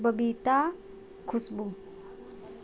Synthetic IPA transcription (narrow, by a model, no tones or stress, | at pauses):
bəbit̪a | kʰusbu